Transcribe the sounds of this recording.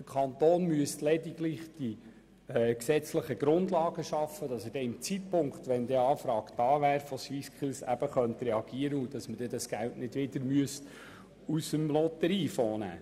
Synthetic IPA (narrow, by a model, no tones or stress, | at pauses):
d̥əɾkʰɑnt̪oːnmyəstlɛdiɡlɪχd̥i | ksɛt͡sləχəɡ̥ɾʊndlɑːɡ̥əʃɑfəd̥ɑsədɛɪmt͡sit̚pʊŋkχt̪ʋɛnd̪ɛɑːfɾɑːɡ̥d̥ɑːʋæːɾfɔʃʋiskχɪlsæ̰b̥əχœnt̪rɛɑɡ̥iəɾəud̥ɑsməd̥ɛdɑsɡ̥æltnɪdʋɪdəɾmyəst | usəmlɔt̪əɾiːfɔːnæ̰ː